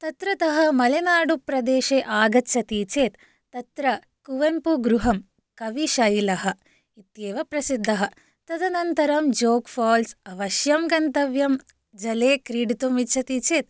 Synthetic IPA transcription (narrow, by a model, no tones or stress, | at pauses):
t̪ɐt̪ɾɐt̪ɐɦɐmɐlenaːɽupɾɐd̪eːʃeːʔaːɡɐt̪ːt͡ʃʰɐt̪iːt͡ʃeːt̪ː | ɐt̪ɾɐ | kuʋɐmpuɡɾuɦɐm | kɐʋiʃɐjilɐɦɐ | it̪jeːʋɐpɾɐsid̪ʱːɐɦɐ | t̪ɐd̪ɐnɐnt̪ɐɾɐmd͡ʒoːkfʰaːlsɐʋɐʃjɐmɡɐnt̪ɐʋjɐm | d͡ʒɐleːkɾiːɖit̪umitt͡ʃʰɐt̪iːt͡ʃeːt̪